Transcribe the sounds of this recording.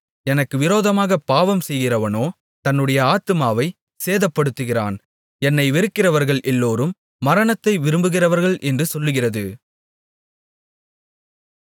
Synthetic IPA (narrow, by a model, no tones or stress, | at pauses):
ɛnɐkːɯʋɪɾoːðɐmaːɣɐpaːʋɐmsɛjɣɪrɐʋɐnoː | t̪ɐnːɯɽɐjɐaːt̪ɯmaːʋɐɪ | seːðɐpːɐɽɯt̪ːɯɣɪra̰ːn | ɛnːɐɪʋɛɾɯkːɪrɐʋɐɾɣɐɭʔɛlːoːɾɯmː | ɐɾɐɳɐt̪ːɐɪʋɪɾɯmbɯɣɪrɐʋɐɾɣɐɭʔɛndrɯsɔlːɯɣɪrɐðɯ